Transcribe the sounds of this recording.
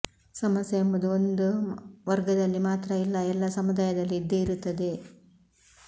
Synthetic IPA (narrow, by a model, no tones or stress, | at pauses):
sɐmɐsjeːmbɐd̪uond̪uʋɐɾɡɐd̪ɐlːimaːt̪ɾɐilːɐɛlːɐsɐmud̪aːjɐd̪ɐlːiːd̪ːeiɾut̪ːɐd̪e̞